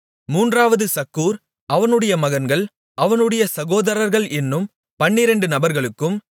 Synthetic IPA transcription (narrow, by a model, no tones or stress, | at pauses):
muːndraːʋɐðɯsɐkːuːɾ | ʔɐʋɐnɯɽɐjɐmɐɣɐnɡɐɭ | ʔɐʋɐnɯɽɐjɐsɐɣoːðɐɾɐɾɣɐɭɛnːɯm | pɐɳːɪɾɛɳɖɯnɐbɐɾɣɐɭɯkːɯm